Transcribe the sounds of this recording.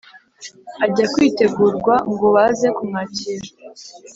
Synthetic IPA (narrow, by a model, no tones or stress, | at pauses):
aɟakwiːte̞ɡuːɾɡwaŋɡoβazekumŋaciɾḁ